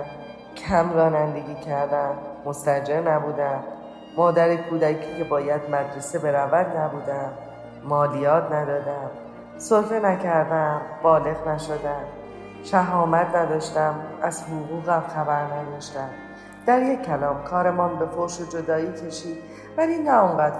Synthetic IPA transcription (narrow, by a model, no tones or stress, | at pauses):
cʰæmɾɒːnænd̪e̞ɡʲiːcʰæɾd̪æmːost̪æd͡ʒeɾnæbuːd̪æmː | ɒːd̪æɾekʰuːd̪æcʰiːcʰe̞bɒːjæd̪̚mæd̪ɾe̞sebe̞ɾævæd̪næbuːd̪æmː | ɒːlijɒːt̪ʰnæd̪ɒːd̪æm | solfenæcʰæɾd̪æmbɒːle̞ɣnæʃo̞d̪æm | ʃæɦɒːmæt̪ʰnæd̪ɒːʃt̪æmæzhoɣuːɣæmxæbæɾnæd̪ɒːʃt̪æm | d̪̥æɾje̞cʰːælɒːmkʰɒːɾe̞mɒːnbe̞foɾʃod͡ʒo̞d̪ɒːiːcʰe̞ʃiːd̪ | vælinæoŋɢæd̪̥